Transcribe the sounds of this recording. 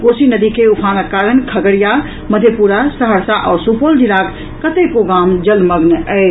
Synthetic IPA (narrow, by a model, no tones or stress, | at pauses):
ɡosinəd̪ikeupʰanakːaɾənkʰəɡəɽija | məd̪ʱjepuɾasəɦəɾsaʔɔːɾsupold͡ʒilak | kːət̪ekoɡamd͡ʒəlməɡnəɪ